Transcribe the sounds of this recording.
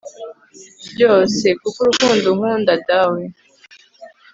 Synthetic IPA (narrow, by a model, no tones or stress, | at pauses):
bɟo̞ːse̞kukuɾukuːnduhuːndatawe